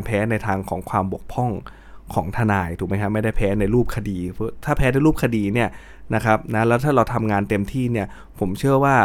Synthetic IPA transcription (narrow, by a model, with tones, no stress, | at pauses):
npʰɛː˦˥na˧jt̪ʰaː˧ŋkʰɔ̰ː˩˦ŋkʰwaː˧mbu˨˩ək̚pʰɔ˥˩ŋ | kʰɔː˩˦ŋt̪ʰa˧naː˧jt̪̚ʰːma˦˥jkʰa˦˥ma˥˩jda˥˩jpʰɛː˦˥na˧jɾuː˥˩p̚kʰa˧diː˧pʰːt̪ʰaː˥˩pʰɛː˦˥na˧jɾuː˥˩p̚kʰa˧diː˧ni˥˩ɐ | na˦˥kʰɾa˦˥p̚na˦˥lɛː˦˥wt̪ʰaː˥˩ɾa˧wt̪ʰa˧mŋaː˧nt̪e˧mt̪ʰiː˥˩ni˥˩ɐ | pʰo˩˦mt͡ɕʰɯ˥˩ɐwaː˥˩